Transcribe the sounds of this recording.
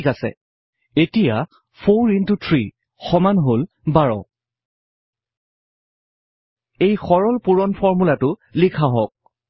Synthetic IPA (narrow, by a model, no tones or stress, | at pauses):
kasɛ̰ | etija | pʰoɹintutʰɹi | xɔmanɦol | baɹɔ̰ | ejxɔɹɔlpuɹɔnpʰɔɹmulatʊlikʰaɦɔk̚